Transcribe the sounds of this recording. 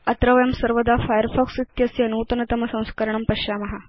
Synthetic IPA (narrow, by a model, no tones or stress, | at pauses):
ɐt̪ɾɐʋɐjɐmsɐɾʋəd̪afajəɾfɔksit̪jɐsiɐnuːt̪ɐnɐt̪ɐmɐsɐ̃w̃skɐɾɳ̃ɐmpɐɕaːmɐɦa